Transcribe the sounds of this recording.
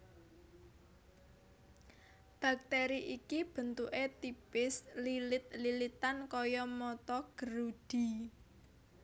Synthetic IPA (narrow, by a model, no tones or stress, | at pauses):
b̥a̤k̚t̪eɾiʔikib̥ə̤nt̪uʔet̪ipɪslilɪt̪̚lilit̪ankɔjɔmɔt̪ɔɡ̥əɾud̪̥i̤